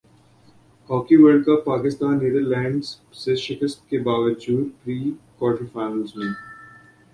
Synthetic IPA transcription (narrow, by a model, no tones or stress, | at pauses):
hɔːkiʋəɾɖkəpːaːkɪst̪aːnːed̪əɾlɛ̃ːɳɖz | seʃɪkəst̪̚kebaːʋəd͡ʒuːɾpɾiːkɔːʈifaːnəlzmẽ